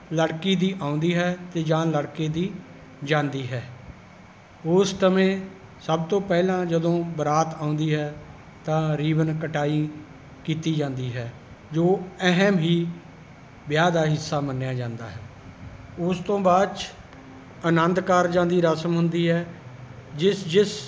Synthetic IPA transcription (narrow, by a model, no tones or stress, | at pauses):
ləɽkiːd̪iːʔaːʊ̃nd̪iːɦɛːt̪eːd͡ʒãːləɽkeːd̪iː | d͡ʒãːnd̪iːɦɛː | ʊst̪əmẽː | səbt̪õːpɛːlãːd͡ʒəd̪õːbəɾaːt̪ãːʊ̃nd̪iːɦɛː | t̪ãːɾiːʋənkəʈaːiː | kiːt̪iːd͡ʒãːnd̪iːɦɛː | d͡ʒoːɛɦəmɦiː | bjaːd̪aːɦɪsːaːmənːjaːd͡ʒãːnd̪aːɦɛː | ʊst̪õːbaːd̪t͡ʃ | ənə̃nd̪kaːɾd͡ʒãːnd̪iːɾəsəmɦʊnd̪iːɦɛː | d͡ʒɪsd͡ʒɪs